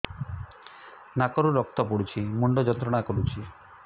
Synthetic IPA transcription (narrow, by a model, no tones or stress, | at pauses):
nakɔɾuɾɔk̚t̪ɔpɔɽut͡ʃʰimɔɳɖɔd͡ʒɔnt̪ɾɔɽ̃akɔɾut͡ʃʰi